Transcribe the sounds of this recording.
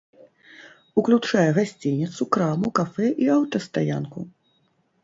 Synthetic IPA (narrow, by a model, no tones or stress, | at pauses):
uklʲut͡ʂajɛɣasʲt͡sʲinʲit̪sukɾamukafɛʔiawt̪ɐst̪aja̰nku